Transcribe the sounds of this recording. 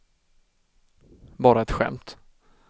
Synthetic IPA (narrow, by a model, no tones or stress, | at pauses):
bɑːɾaɛt̪ɧɛ̰mt̪